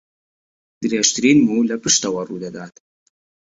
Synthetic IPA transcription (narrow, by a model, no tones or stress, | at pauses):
d̪̥ɨɾeːʃt̪ɨɾinmulɐpɨʃt̪ɐwɐrud̪ɐd̪aːt̪